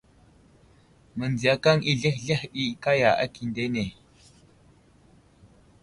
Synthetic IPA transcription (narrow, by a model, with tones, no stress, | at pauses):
mə˨nd͡zi˨a˨ka˦ŋʔi˦ɮe˦xɮe˦xɗi˦ka˦ja˨ʔa̰˦ki˨nde˦ne˨